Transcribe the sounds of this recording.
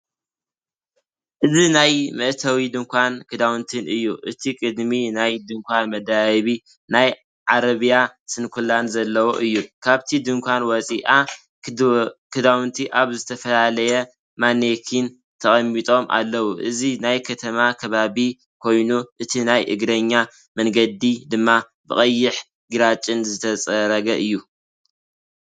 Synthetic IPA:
ʔɨzinajmɐʔt̪ʰɐwid̪ɨŋkʷʰankʰɨd̪awunt̪ʰɨnɨjːuʔɨt̪ʰikʼɨd̪minajd̪ɨŋkʷʰanmɐd̪aβi | naj | ʕaɾɐβijasɨnkʰulanzɐlːɐwoʔɨjːukʰaβt̪ʰid̪ɨŋkʷʰanwɔt͡sʼiʔa | kʰɨd̪awnt̪ʰiʔaβzɨt̪ʰɐfɐlalɐjɐ | manekʰin | t̪ʰɐχʼɐmːit̪ʼo̞mʔa̰lːɐwuʔɨzinajkʰɐt̪ʰɐmakʰɐβaβi | kʰo̞jnuʔɨt̪ʰinajʔɨ̰ɡɾɐɲːa | mɐŋɡɐd̪id̪ɨmːa | bɨχʼɐjːɪħ | ɡiɾat͡ʃʼːɨnzɨt̪ʰɐt͡sʼɐɾɐɡɐʔɨjːu

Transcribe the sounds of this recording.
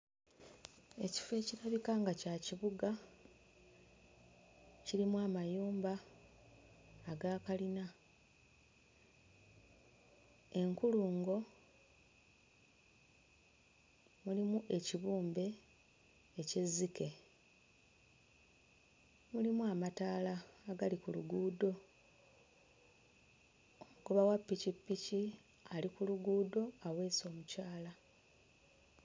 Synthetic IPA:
e̞ci̥fe̞ːciɾaβikaŋɡacaciβuɡa | ciɾimuamajuːmba | ɡaːkalina | e̞ŋkuluːŋɡo̞ | mulimuʔe̞ciβuːmbe̞ː | ce̞zːike̞ | mulimuamataːlaːɡalikulṵɡuːdo̞ | mɡoβawapːicipːici | alikuluɡuːdo̞awe̞ːso̞ːmucaːla

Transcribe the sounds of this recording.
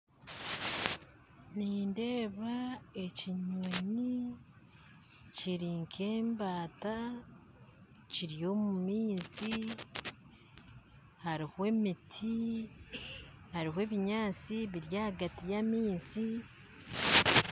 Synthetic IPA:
ninde̞ːβae̞ciɲweɲi | ciɾiŋkʰe̞ːmbaːta | ciɾijo̞mumiːnsi | haɾihwe̞mitʰi | haɾihwe̞ːβiɲaːt͡siβiɾjahaɡatijamiːnsi

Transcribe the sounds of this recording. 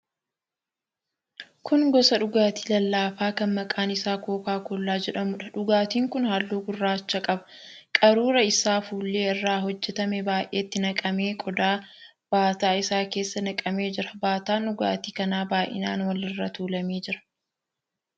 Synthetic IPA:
kʊnɡɔsɐᶑʊɡaːt̪i̥ːlɐlːaːfaːkɐnmɐkʼaːnɪsaːko̞ːkaːkɔlːaːd͡ʒɛᶑɐmʊᶑɐᶑʊɡaːt̪iːŋkʊnhaːlːuːɡʊrːaːt͡ʃːɐkʼɐbɐ̥kʼɐɾuːɾɐɪsaːfuːlːe̞ːɪrːaːɦɔd͡ʒːɛt̪ɐmɛbaːjʔe̞ːt̪ːɪnɐkʼɐmeːkʼɔd̪aː | b̥aːt̪aːɪsaːke̞ːsːɐnɐkʼɐmeːd͡ʒɪɾɐbaːt̪aːnʊɡa̰ːt̪iːkɐnaːbaːʔɪ̰na̰ːnwɐlɪrːɐt̪uːlɐmeːd͡ʒɪɾɐ̥

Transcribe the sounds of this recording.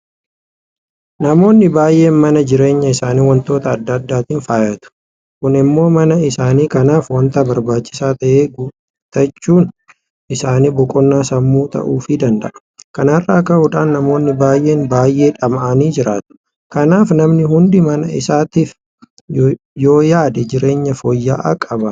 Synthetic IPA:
nɐmo̞ːnːɪbaːjʔe̞ːnmɐnɐd͡ʒɪɾe̞ːɲːɐɪsaːniːwɐnt̪o̞ːt̪ɐːd̪ːad̪ːaːt̪iːnfaːjɐt̪ʊ̥ | kʊnɪmːo̞ːmɐnɐɪsaːniːkɐnaːfwɐnt̪ɐbɐɾbaːt͡ʃːɪ̥saːt̪ɐʔeːɡu | t̪ɐt͡ʃːuːn | ʔɪsaːniːbɔkʼɔnːaːsɐmːuːt̪ɐ̰ʔuːfɪd̪ɐnd̪ɐ̰ʔɐ̥ | kɐnɐrːaːkɐʔuᶑaːnːɐmo̞ːnːɪbaːjʔe̞ːnbaːjʔe̞ːᶑɐmʔɐniːd͡ʒɪɾaːt̪ʊ̥ | kɐnaːfnɐmnɪɦʊnd̪ɪmɐnɐɪ̰saːt̪iːf | jo̞ːjaːd̪ɛd͡ʒɪɾe̞ːɲːɐfojːaːʔɐ̰kʼɐbɐ

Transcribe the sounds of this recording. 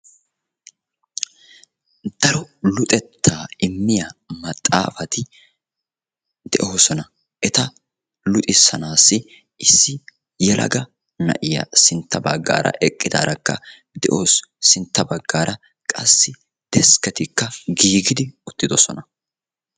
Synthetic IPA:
d̪̥ɐɾɔlʊt̪ʼɛt̪ʰːaːɪmːɪjɐmɐt̪ʼːa̰ːfɐt̪ɪ | d̪ɛ̰ʔo̞ːsɔnɐ | ʔɛt̪ɐ | lʊt̪ʼɪsːɐnaːsːɪ | ɪsːɪ | jɛlʔɐ̰ɡɐ | nɐ̰ʔɪjɐ̰sɪnt̪ːɐbɐɡːa̰ːɾʔɐ̰ʔɛkʼːɪd̪a̰ːɾɐkːɐ̰ | d̪̥ɛʔo̞ːsːɪnt̪ːɐbɐɡːaːɾɐ | kʼɐsːɪ | d̪̥ɛskɛt̪ɪkːɐɡiːɡɪd̪ɪʊt̪ːɪd̪ɔsɔnɐ

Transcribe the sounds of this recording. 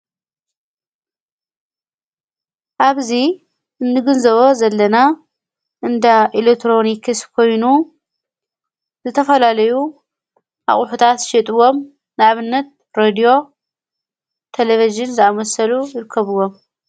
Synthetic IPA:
ʔaβzi | ʔɨnːɨɡɨnzɐβozɐlːɐna | ʔɨnd̪aʔilekt̪ʰɾo̞nikʰɨskʰo̞jnu | zɨt̪ʰɐfɐlalɐju | ʔa̰χʼʊħut̪ʰat̪ʃɛt̪ʼɨwo̞m | nɨaβɨnːɐt̪̚ | ɾed̪io̞ | t̪ʰeleviʒɨnzɨamɐsɐlujɪɾɨkʰːɐβɨwo̞m

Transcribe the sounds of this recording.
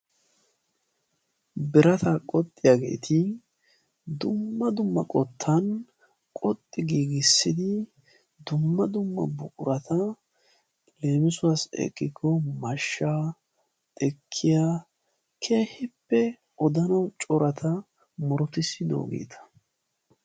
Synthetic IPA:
bɪɾɐt̪ʰɐkʼɔt̪ʼːɪjaɡe̞̰ːt̪ʰɪ | d̪ʊmːɐd̪ʊmːɐkʼɔt̪ʰːɐn | kʼɔt̪ʼːɪɡiːɡɪsːɪd̪ɪ | d̪ʊmːɐd̪ʊmːɐ̰bʊkʼʊɾɐt̪ʰɐ | le̞ːmɪsʊasɛ̰kʼːɪɡɔmɐʃːaː | t̪ʼɛkʰːɪja | kʰe̞ːhɪpːɛ | ʔɔd̪ɐnɐwt͡ʃʼɔɾɐt̪ʰɐ | mʊɾɔt̪ɪsɪd̪o̰ːɡḛːt̪ʰɐ̥

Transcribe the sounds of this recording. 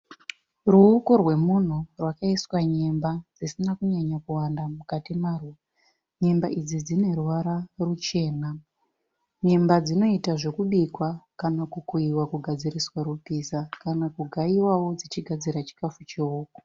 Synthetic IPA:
ruːko̞rwe̞mun̤urwakaiswaɲe̞mbad͡zisinakuɲaɲakuwandamukatimaːrwu | ɲe̞mbaʔid͡zid͡zine̞ruʋaɾarut͡ʃe̞ːna | ɲe̞mbad͡zino̞itaʐe̞kuɓikwakanakukuiwakuɡʱad͡ziriswaɾupisakanakuɡʱaiwawo̞d͡zit͡ʃiɡʱad͡ziɾat͡ʃi̥kafut͡ʃioːko̥

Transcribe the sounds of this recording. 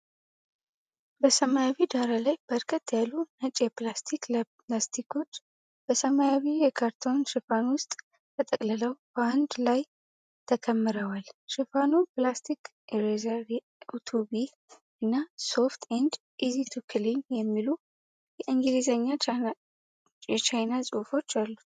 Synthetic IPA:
bəsəmajaβid̪aɾalajbəɾkʰət̪ːjalːunət͡ʃʼjɛplast̪ʰiklə | last̪ʰikʰo̞t͡ʃː | b̥əsəmajaβijɛkʰaɾt̪ʰo̞nʃɪfanwʊst̪ʼ | t̪ʰət̪ʼəkʼlələwb̥əand̪laj | t̪ʰəkʰəmːɨɾəwalʃifanuplast̪ʰik | eɾezaɾi | ut̪ʰubi | ɨnːaso̞ft̪ʰend͡ʒ̪ | ʔizit̪ʰukʰɨlinjɛmːilu | jɛʔɨŋɡɨlizəɲːa | jɛt͡ʃajnasʼofo̞t͡ʃːalːut̪

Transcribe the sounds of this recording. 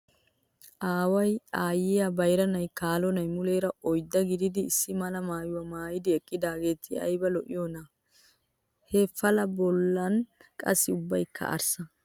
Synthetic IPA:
ʔaːwɐjaːjɪjabɐjɾɐnɐjkaːlɔnɐjmʊleːɾɐɔjd̪ːɐɡɪd̪ɪd̪ɪːsːɪmɐlɐmaːjʊwɐmaːjɪd̪ɪɛkʼːɪd̪aːɡe̞ːt̪ʰɪɐ̰jbɐlɔʔɪjɔnɐ | hefɐlɐbɔlːɐnkʼɐ̰sːɪʊbːɐjkʰːɐ̰ʔɐ̰ɾsɐ

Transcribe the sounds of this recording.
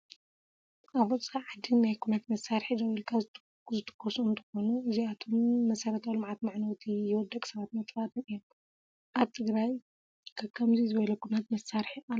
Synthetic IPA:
ʔaβɔt͡sʼaʕad̪inajkʰunat̪mɐsaɾħizɐwilkʰa | zɨt̪ʰɨ̥kʰːosuɨnt̪ʰɐ̥xo̞nuʔɨziat̪ʰo̞mːɐsɐɾɐt̪ʰawlɨmʕat̪maʕnɐwt̪ʰijɪwɔd̪ːɐkʼsɐβat̪mɐt̪ʼfat̪ʰnɨjom | ʔaβt̪ʰɨɡɾaj | kʰakʰɐmzizɨβɐlɐkʰunat̪mɐsːaɾħia

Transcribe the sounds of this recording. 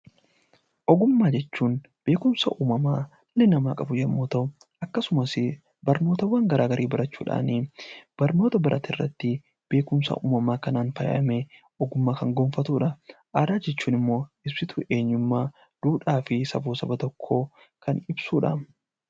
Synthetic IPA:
ʔɔɡʊmːaːd͡ʒɛt͡ʃːuːn | b̥e̞ːkʊmsɐ̰ʔuːmɐmaː | lːɛnɐmaːkʼɐbʊjɐmːoːt̪ɐʊ | ʔɐkːɐsʊmɐsɪ | bɐɾno̞ːt̪ɐwɐŋɡɐɾʔaːɡɐɾʔiːbɐɾʔɐt͡ʃːṵːᶑa̰ːniːb̥ɐɾno̞ːt̪ɐbɐɾʔɐ̰t̪ɪrːɐ̰t̪ːɪ | b̥e̞ːkʊmsɐ̰ʔṵːmɐmaːkɐnaːnfɐ̰j̰ʔɐ̰meː | ʔɔɡʊmːaːkɐŋɡoːnfɐt̪uːᶑɐʔaːd̪aːd͡ʒɛt͡ʃːuːnɪmːo̞ːɪbsɪt̪uʔe̞ːɲːʊmːaː | d̪̥uːᶑaːfɪsɐ̰buːsɐbɐt̪ɔkʰːo̞ː | kʰɐnɪbsuːᶑa̰ː

